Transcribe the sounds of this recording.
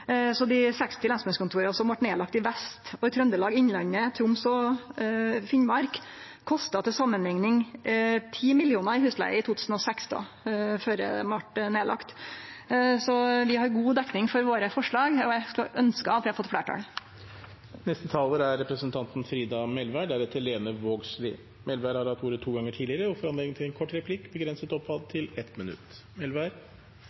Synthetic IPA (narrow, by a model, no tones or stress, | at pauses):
sɔd̪ɪsɛkst̪ʰɪlɑnsmœnskʊnt̪ʰuːɾsɔmʋɑʈneːlɑk̚t̪ɪʋɛst̪ɔɪt̪ʰɾœnd̪əlɑːɡɪɲlɑnːət̪ʰɾʊmsɔ | fɪnmɑɾk | kʰːɔst̪ɑt̪ʰɪsɑmːənɛŋnɪŋt̪ʰiːmɪlɪuːnəɪhʉːslæ̰ɪəɪt̪ʰuːt̪ʉːsn̩ɔsɛksd̪ɑ̰ | føːɾə̰mɑʈneːlʔɑ̰kt̪ | sɔʋɪhɑɾɡuːd̪ɛkːnɪŋfɔɾʋoːɾəfɔʂɭɑːɡɔæɪskɑʔœnskəɑt̪ʋɪhɑɾfɔt̪ːfɽæːʈʰɑ̰ːl | nɛst̪ət̪ʰɑːləɾæɾɾɛpɾəsənt̪ʰɑnt̪n̩fɾiːd̪ɑmɛlʋæɖæɾɛt̪ʰːəleːnəʋoːɡslɪ̰ː | mɛlʋæːɾhɑɾɑt̪uːɾət̪ʰuːɡɑŋːəʈʰiːd̪lɪəɾəɔfɔɾɑnɛɡ̪əŋt̪ʰɪlɛnkʰɔʈːɾɛpʰlɪkːbəɡɾɛnsət̪ɔpʰːɑd̪̚t̪ʰɪlɛt̪mɪnʉ̰t̪ː | mɛlʋæɾ